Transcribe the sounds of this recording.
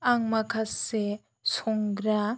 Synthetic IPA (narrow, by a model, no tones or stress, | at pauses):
aŋmakʰase | sɔŋɡɾa